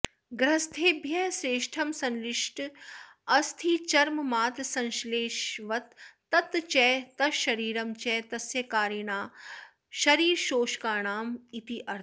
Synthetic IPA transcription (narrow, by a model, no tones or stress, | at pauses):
ɡɾɐst̪ʰeːbʱjɐɦsɾeːʃʈʰɐmsɐ̃nlɪʂʈ | ɐst̪ʰit͡ʃɐɾmmaːt̪sɐ̃nʃleːʃʋɐt̪ː | ɐt̪t͡ʃɛːt̪ɐʃɐɾiːɾɐmt͡ʃɛːt̪ɐsjɐkaːɾjɐɳaː | ʃɐɾiːɾʃoːʃkaːɳaːmit̪iʔɐɾ